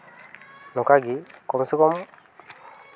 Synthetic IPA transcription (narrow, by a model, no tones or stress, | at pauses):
lɔkaɡikɔmsikɔ